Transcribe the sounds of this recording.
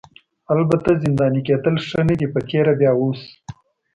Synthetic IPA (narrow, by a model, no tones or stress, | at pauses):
albat̪azɪnd̪ɑːniked̪əlʂənad̪ipət͡ʃeɾabjɑːwos